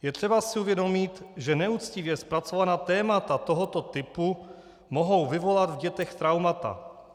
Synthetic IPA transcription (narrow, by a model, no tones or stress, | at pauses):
jɛt̪r̝̥ɛbasɪuvjɛdo̞mɪt̪ʒɛnɛut͡scɪvjɛspɾat͡so̞vanaːt̪ɛːmat̪at̪o̞ɦo̞t̪o̞t̪ɪpu | moɦo̞wvɪvo̞lat̪vɟɛt̪ɛxt̪ɾawmat̪a̰